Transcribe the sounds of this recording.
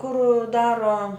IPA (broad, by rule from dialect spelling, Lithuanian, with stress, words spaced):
kʊr ˈdɑːroː